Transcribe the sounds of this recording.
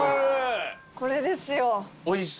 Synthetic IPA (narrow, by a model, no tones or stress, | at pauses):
koɾed̪esɨjoois